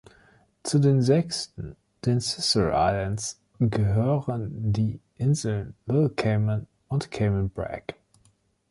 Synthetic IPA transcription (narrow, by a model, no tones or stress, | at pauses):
t͡sudeːnzɛkstn̩ | d̥ensɪsəɹʔa̰ɪləns | ɡəɦøːʁəndiːʔɪnzl̩nlɪlkʰeɪmən | ʊntkʰeɪmənbʁɛ̰k